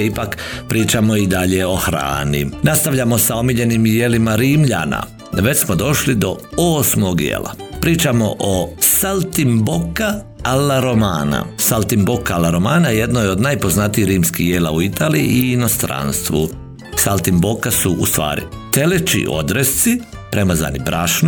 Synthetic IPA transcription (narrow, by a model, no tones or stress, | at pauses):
ipakpɾiːt͡ʃamo̞id̪aʎeo̞xɾa̰ːnḭnast̪aʋlʎamo̞sao̞miʎe̞nimjelimaɾiːmʎa̰na̰ | ʋe̞t͡ɕsmod̪o̞ʃlid̪o̞oːsmo̞ɡjḛːla̰pɾiːt͡ʃamo̞ʔosalt̪imboka | alaɾomaːna̰salt̪imbokːaalaɾomaːnaje̞d̪nojo̞d̪najpo̞znat̪ijihɾiːmskijeːla̰uit̪aːliḭʔiːno̞st̪ɾa̰ːnst̪ʋṵ | salˠt̪imbokasuʔust̪ʋa̰ːɾḭ | t̪e̞let͡ʃḭʔo̞̰d̪ɾest̪si | pɾe̞maza̰ːnibɾaʃno